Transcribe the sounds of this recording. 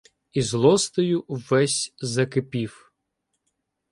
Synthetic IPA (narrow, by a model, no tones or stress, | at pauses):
izlˠɔst̪ɔjʊʋɛsʲzɐkɪpʲiw